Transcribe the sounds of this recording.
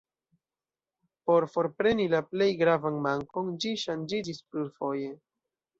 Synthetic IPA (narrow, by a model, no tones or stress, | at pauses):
po̞ɾfo̞ɾpɾe̞nilaple̞jɡɾavanmaŋko̞nd͡ʒiʃand͡ʒid͡ʒispluɾfo̞je̞